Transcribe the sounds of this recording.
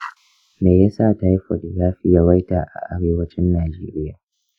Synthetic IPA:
meː˨ja˦sa˦˨ta˦ji˦ɸɐ̰˨ɗjaː˦ɸɪ˦ja˦wa˦jtaː˨ʔa̰˨ʔa˨ɽeː˦wɐ˦t͡ʃɪ˦nːaː˨d͡ʒeː˦ɾɪ˦jaː˨

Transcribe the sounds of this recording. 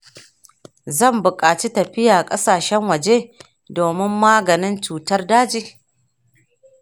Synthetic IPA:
zɐ˦˨mbʊ˨kʼaː˨t͡ʃi˦tɐ˨ɸɪ˦jaː˨kʼɐ˦saː˨ʃɛ˦ŋwɐ˨d͡ʒeː˦ | doː˨mɪ˦mːaː˦ɡɐ˨nɪ˦nt͡ʃuː˨tɐ˦rdaː˦d͡ʒiː˨

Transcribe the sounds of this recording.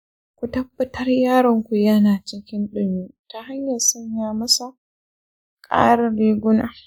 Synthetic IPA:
kʷu˨tɐ˦bːɐ˦tʰɐ˦rjaː˦ɽɔ˦ŋkʷu˨jɐ˦naː˨t͡ʃɪ˦kʲɪ˦nɗʊ˦˨miː˦ta˦ha˦ɲjɐ˨rsɐ˦ɲjaː˨mɐ˦sa˨ | kʼa̰ː˦ɾɐ˨ɾeː˦ɡʷʊ˦naː˨

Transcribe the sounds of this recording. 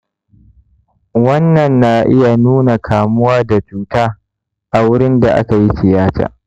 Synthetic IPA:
wɐ˦nːɐ˨nːa˦ʔɪ˦ja˨nuː˦na˨kʰaː˨mʊ˦waː˦da˨tuː˨taː˦ | ʔa˨wʊ˦ɽɪ˦nda˨ʔa̰˦ka˨ji˦sɪ˨jaː˦ta̰ː˨

